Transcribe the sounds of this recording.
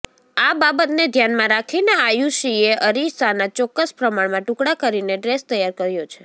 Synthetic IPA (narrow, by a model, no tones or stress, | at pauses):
ababət̪ned̪ʱjanmãɾakʰineajuʃieʔəɾisanat͡ʃɔkːəspɾəmaɽmãʈũkɽakəɾineɖɾest̪əjaɾkəɾjot͡ʃʰe